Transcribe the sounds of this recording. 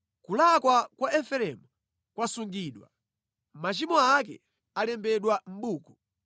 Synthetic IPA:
kulakwakwaɛfɛɾɛmu | kwasuŋɡiːɗwa̰ | mat͡ʃimɔak̬ɛ̰ | alɛmbɛɗwam̩ɓuːkɔ

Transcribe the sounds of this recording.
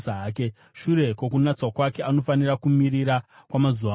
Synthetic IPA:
saɦaːk̬e | ʃuɾe̞kok̬unat͡swakwake̞ano̞fanirakumiɾiɾakwamazuʋa

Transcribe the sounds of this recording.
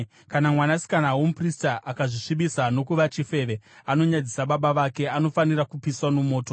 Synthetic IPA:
kanamwanasi̥kanawomupristaʔakaʐiʂiɓisano̞kuʋat͡ʃife̞ʋe̞ano̞ɲad͡zisaɓaɓaʋake̞ano̞fanirakupiswanomo̞ːto̞

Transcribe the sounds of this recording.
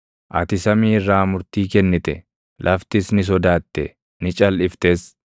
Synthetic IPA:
ʔɐ̰t̪ɪsɐmiːrːaːmʊɾt̪iːkɛnːɪt̪ɛ | lʔɐft̪ɪsnɪs̬ɔd̪aːt̪ːɛ̰ | nɪt͡ʃʼɐlʔɪft̪eːs

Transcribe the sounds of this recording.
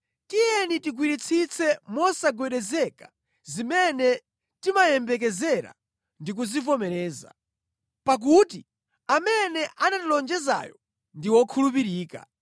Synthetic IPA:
tijɛnitiɡwiɾit͡sʰit͡sʰɛmɔsaɡwɛɗɛzɛkḁ | zimɛnɛ | timajɛmbɛk̬ɛzɛɾa̰ | ndik̬uzivɔmɛɾɛːza̰ | pak̬uːti | amɛnɛʔanatilɔnd͡ʒɛza̰ːjɔ | ndiwɔkʰulup̬iɾiːka̰

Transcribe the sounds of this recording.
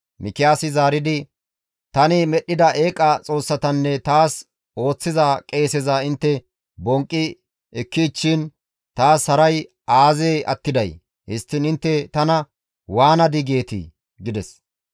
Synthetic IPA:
mɪkːɪjaːsɪzaːɾɪd̪ɪ | t̪ɐnɪmɛɗːɪd̪ɐʔe̞ːkʼːɐt͡sʼo̞ːsːɐt̪ɐnːɛt̪aːs | o̞ːt͡sːɪzɐkʼe̞ːsɛzɐɪnt̪ːɛ | bɔŋkʼːɪ | ɛkːit͡ʃːɪn | t̪aːshɐɾɐj | ʔaːzeːʔɐ̰t̪ːɪd̪ɐj | hɪst̪ːɪnɪnt̪ːɛt̪ɐnɐ | waːnɐd̪ɪɡe̞ːt̪ɪ̰ | ɡɪd̪ɛs

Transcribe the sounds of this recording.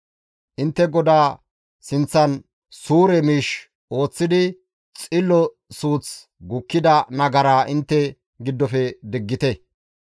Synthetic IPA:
ʔɪnt̪ːɛɡɔd̪aː | sɪnt͡sːɐn | suːɾɛmiːʃ | ʔo̞ːt͡sːɪd̪ɪ | t͡sʼɪlːɔ | suːt͡s | ɡʊkːɪd̪ɐnɐɡɐɾaːʔɪnt̪ːɛ | ɡɪd̪ːɔfɛd̪ɪɡːɪt̪ɛ

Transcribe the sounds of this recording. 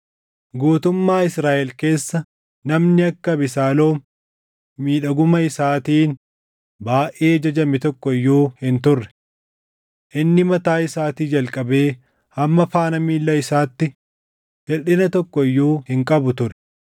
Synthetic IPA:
ɡuːt̪ʊmːaːɪsɾaːʔɛlke̞ːsːɐ | nɐmnɪɐkːɐbɪsaːlo̞ːm | miːᶑɐɡʊmɐɪsaːt̪iːn | baːʔeːd͡ʒɐd͡ʒɐmɪt̪ɔkːɔɪjːuːhɪnt̪ʊrːɛ̥ | ʔɪnːɪmɐt̪aːɪsaːt̪iːd͡ʒɐlkʼɐbe̞ː | hɐmːɐfaːnɐmiːlːɐɪsaːt̪ːɪ | hɛᶑɪnɐt̪ɔkːɔɪjːuːhɪŋkʼɐbʊt̪ʊɾɛ̥

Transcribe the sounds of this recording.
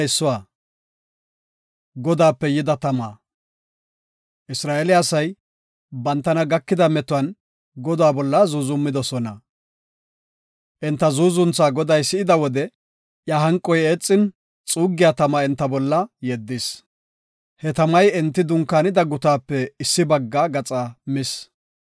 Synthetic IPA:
sːʊwaː | ɡɔd̪aːpːɛjɪd̪ɐt̪ɐmaː | ʔɪsɾaːʔelɪɐsɐj | bɐnt̪ːɐnɐɡɐkːɪd̪ɐmɛt̪ʊɐn | ɡɔd̪aːbɔlːɐzuːzʊmːɪd̪ɔsɔnɐ | ʔɛnt̪ːɐzuːzʊnt͡sːaːɡɔd̪ɐjsɪʔɪd̪ɐwɔd̪ɛ | jaɦɐŋkʼːɔjeːt͡sʼːɪn | t͡sʼuːɡːɪjat̪ɐmaɛnt̪ːɐbɔlːɐjɛd̪ːɪs | hɛt̪ɐmɐjɛnt̪ːɪd̪ʊŋkːaːnɪd̪ɐɡʊt̪aːpːɛɪsːɪbɐɡːaːɡɐt͡sʼaːmɪs

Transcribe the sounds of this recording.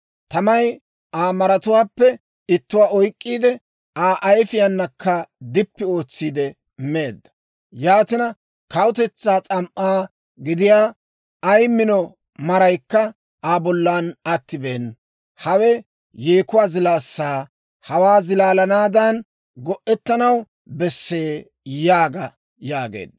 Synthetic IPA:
t̪ɐmɐj | aːmɐɾɐt̪ʊwaːpːɛ | ɪt̪ːʊwaːɔjkʼːiːd̪ɛ | aːʔɐjfɪjɐnːɐkːɐd̪ɪpːɪo̞ːt͡sːiːd̪ɛ | mːe̞ːd̪ːɐ̥ | jaːt̪ɪnɐ | kɐwʊt̪ɛt͡sːaːt͡sʼɐmʔaː | ɡɪd̪ɪjaː | jmːɪnɔ | mɐɾɐjkːɐ | aːbɔlːaːnɐt̪ːɪbeːn | hɐwɛ | jeːkʊwaːzɪlaːsːaː | hɐwaːzɪlaːlɐnaːd̪ɐn | ɡɔʔːɛt̪ːɐnɐw | bɛsːeː | jaːɡɐ | jaːɡḛːd̪ːɐ

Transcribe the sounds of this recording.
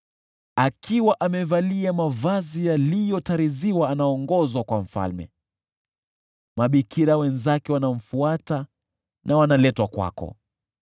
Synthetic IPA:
akʰiwaʔamɛvaliamavazijalijɔtaɾiziwaːnaɔŋɡɔzwakwam̩fa̰lmɛ̰ | maɓikʰiɾawɛnzakɛwanam̩fuata | nʔawanalɛtwakwa̰kɔ̰

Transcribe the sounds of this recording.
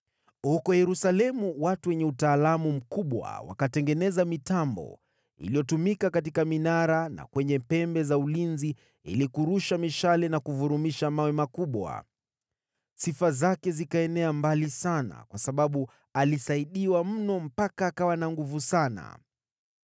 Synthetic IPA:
hukɔjɛɾusalɛmuwatuwɛɲɛutaːlamum̩kuɓwa̰wa̰katɛŋɡɛnɛzamitambɔ̰ | ḭlijɔtumikakat̬ikaminaɾana̰kwɛɲɛpɛmbɛzaulinzi | ḭlikuɾuʃamiʃalɛnakuvuɾumiʃamawɛmakuɓwa̰ | sifazakɛzikaɛnɛambalisana̰kwasaɓaɓu | alisaiɗiwam̩nɔm̩pakaːkawanaŋɡuvusana̰

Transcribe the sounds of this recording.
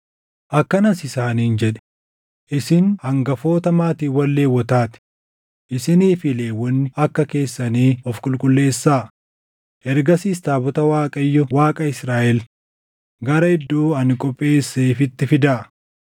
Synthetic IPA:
ʔɐkːɐnɐsɪsaːniːnd͡ʒɛᶑɛ̥ | ʔɪsɪnhɐŋɡɐfo̞ːt̪ɐmaːt̪iːwɐlːe̞ːwːɔt̪aːt̪ɪ̥ | ʔɪsɪniːfɪle̞ːwːɔnːɪɐkːɐke̞ːsːɐniːɔfkʼʊlkʼʊlːe̞ːsːaː | ʔɛɾɡɐsiːst̪aːbɔt̪ɐwaːkʼɐjːɔwaːkʼɐɪsɾaːʔɛl | ɡɐɾɐɪd̪ːuːɐnɪkʼɔpʼːe̞ːsːeːfɪt̪ːɪfɪd̪aː

